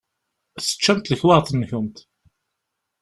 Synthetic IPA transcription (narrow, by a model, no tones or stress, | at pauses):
sə̥t͡ʃːæmt̪ləçwaʁθənːçʊmt̪